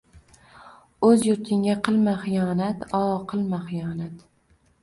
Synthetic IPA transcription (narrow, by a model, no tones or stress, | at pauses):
ɵzjʊɾt̪ʰɪŋɡʲaqɨlˠmaχɪjɒnat̪ʰɒqʰɨlˠmaχɪjɒnat̪